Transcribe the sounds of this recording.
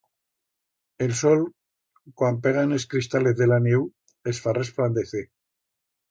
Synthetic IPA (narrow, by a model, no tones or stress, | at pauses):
e̞lso̞l | kwampe̞ɣaneskɾist̪ale̞θðe̞lanjew | e̞sfare̞spland̪eθe